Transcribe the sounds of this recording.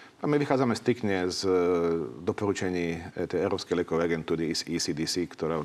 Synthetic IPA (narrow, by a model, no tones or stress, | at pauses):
amiʋixaːd͡zamɛst̪ɾikɲɛz | d̪ɔpɔɾut͡ʃaɲiːt̪ɛjɛʊɾɔːpskɛjlɪɛkɔʋɛjaɡɛnt̪uːɾisisid̪isikt̪ɔɾa